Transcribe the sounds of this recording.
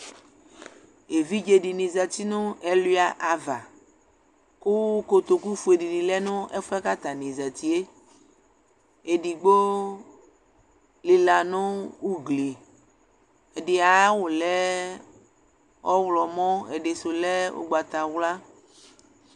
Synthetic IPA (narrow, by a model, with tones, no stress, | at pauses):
e˨vi˦d͡ʒe˨ɖi˨nĩ˨zɛ˨t̪i˦nõ˦e˨lu˦a˨ʔa˨va˨ | ku˦ko˨t̪o˨ku˦fu˨e˨ɖi˨ɖi˨lɛ˦nõ˦ʔe˦fa˦ka˦t̪a˨nĩ˨zɛ˨t̪i˦e˦ | e˨ɖi˨ɡ͡bo˦ | li˨la˨nõ˦wu˦ɡli˨ | e˨ɖi˨a˨˦wo˨lɛ˦ | ɔ˦wlɔ˨mɔ̃˦ḛ˨ɖe˨so˨lɛ˦wo̰˦ɡ͡ba˨t̪a˨wla˦